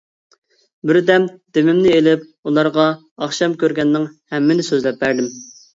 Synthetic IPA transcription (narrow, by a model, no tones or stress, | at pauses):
bɪɾd̪ɛmd̪̥emɪmnɪelɪp̚ulˠɑɾʁɑ | ɑχʃɑmkʲøɾɡʲɛnːɪŋhɛmːɪnɪsøzlɛp̚bæɾd̪ɪm